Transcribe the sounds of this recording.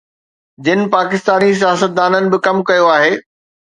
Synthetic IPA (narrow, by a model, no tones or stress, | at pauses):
d͡ʑɪnɪ̆paːkɪst̪aːnis̬ijaːsət̪̚d̪aːnənɪ̆bɪkɐmkɐjoaːɦeː